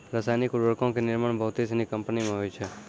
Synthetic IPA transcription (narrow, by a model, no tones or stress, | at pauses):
ɾəsajnikuɽəɭkõkenɪɾmaɳbʱəʋt̪esnikəmpnimãɦojt͡ʃʰe